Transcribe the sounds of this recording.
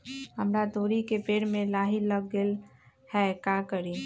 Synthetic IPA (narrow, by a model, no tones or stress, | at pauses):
ɦəmɾad̪oːɾikepeːɽmẽlaːɦiləɡːel | hɛkakəɾi